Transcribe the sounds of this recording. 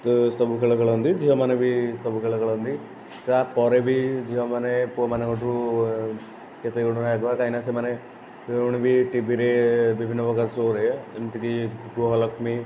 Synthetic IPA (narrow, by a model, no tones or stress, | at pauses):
t̪ɔsɔbukeɭɔkeɭɔɦɔnd̪id͡ʒiɦɔ̃manebʱisɔbukeɭɔkeɭɔɦɔnd̪i | t̪apɔɾebʱid͡ʒiɦɔ̃manepuɔmaneɡɔʈʰɾu | ket̪euɽunaakbakaɦinasemane | uɽ̃ibʱiʈibʱiɾebibʱinːɔbɔɡaɾsoɾeemt̪ʰik̪iɡuɦɔlɔkmi